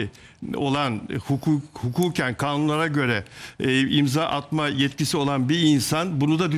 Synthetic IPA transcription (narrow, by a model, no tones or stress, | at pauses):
o̞lˠanhukʰuhukʰuːcʰænkʰaːnunlˠaɾaɟø̞ɾɛ | imzaːʔat̪majɛt̪cisio̞lˠanbiinsanbunud̪ad̪y